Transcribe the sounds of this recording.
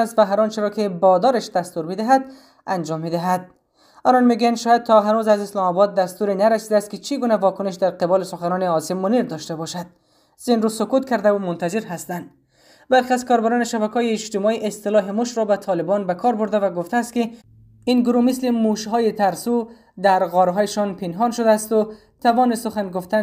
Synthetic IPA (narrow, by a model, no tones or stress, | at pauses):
ast̪vaɦaɾɔnt͡ʃɪɾɔkɪbɒd̪ɒɾaʃd̪ast̪uɾbɪd̪ɪɦad̪ | and͡ʒɒmːid̪ɪɦad̪̚ | ɒnɔnmeɡujand̪ʃɔːjad̪̚t̪ʰɔɦanuzazɪslɒmɒbɒd̪̚ːast̪uɾenaɾasid̪aːst̪̚kɪt͡ʃiɡunavɒkʊnɪʃ̬d̪aɾqɪbɔlɪsʊxanɔnɪɒsɪmːʊniɾd̪ɒʃt̪abɔʃad̪̥̚ | z̥inɾusʊkut̪kaɾd̪aumʊnt̪azɪɾɦast̪and̪ | balxeazkɒɾbaɾɔneʃabækɔjeːt͡ʃt̪ɪmɔiʔɪst̪ɪlɒɦɪmʊʃɾɔbat̪ʰɒlɪbɔnbakʰɒɾbʊɾd̪avaɡʊft̪aːst̪̚kɪ | inɡʊɾumɪslɪmuʃɦɒjet̪aɾsu | d̪æɾɣɔɾɦɔjeʃɔnpɪnɦɒnʃʊd̪aːst̪ʊ | t̪avɔnɪsʊxanɡʊft̪a